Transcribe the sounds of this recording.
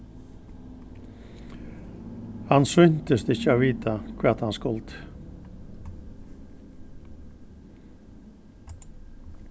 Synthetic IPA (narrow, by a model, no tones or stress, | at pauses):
hɑnsʏnt̪əst̪əɪçəoːʋiːt̪ʰakʰʋæːʁt̪hɑnskɔlt̪